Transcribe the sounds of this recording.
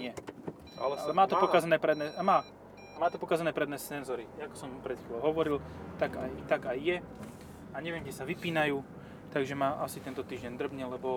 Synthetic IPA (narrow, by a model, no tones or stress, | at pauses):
ɪɛ | a̰lɛmaːt̪ɔpɔkazanɛːpɾɛd̪nɛamaː | maːt̪ɔpɔkaːzanɛːpɾɛd̪nɛst͡sɛnzɔɾijakɔ̥sɔmpɾɛt̪xilɔʊɦɔʋɔɾilt̪aɡajt̪aɡajːɛ | aɲɛʋɪɛmɡɟɛsaʋipiːnajuː | t̪aɡʒɛmaʔasit̪ɛnt̪ɔt̪iːʒɟɛnd̪r̩bɲɛlɛbɔ